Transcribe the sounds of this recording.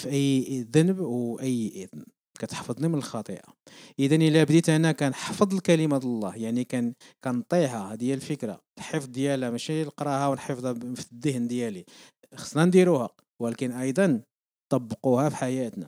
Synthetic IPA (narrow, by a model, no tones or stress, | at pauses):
fiʔæjːʔðænəbwʔəjːʔəd̪n | kæt̪ħfəd̪ˤnimənəlxɑt̪ˤə̰ʔa̰ | ʔəd̪ænʔəlæbd̪it̪anækænħfəd̪ˤəlkæləmalˤːɑhjaʕnikæn | kænt̪ˤihad̪jælfəkɾa̰t̪ħəfd̪ˤd̪jælæmæʃiləqɾˤɑhawnħəfd̪ˤfəd̪ːəhnd̪jæli | xə̥snɑnd̪iɾuhæq | wlækənʔɑjd̪ˤɑn | t̪ˤːɑbːəquhæfiħajæt̪næ